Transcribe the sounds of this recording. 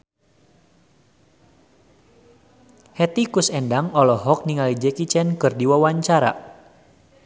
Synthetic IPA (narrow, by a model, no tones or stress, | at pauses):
hɛt̪ikusɛndaŋɔlɔɦɔk̚niŋalid͡ʒɛkit͡ʃɛnkɨrdiwawaɲt͡ʃaɾa̰